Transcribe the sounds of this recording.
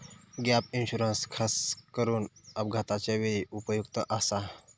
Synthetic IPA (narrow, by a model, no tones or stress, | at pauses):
ɡjapinɕuɾənskʰaskəɾuːnəb̚ɡʱat̪at͡ɕaʋeiupəjukt̪əʔasa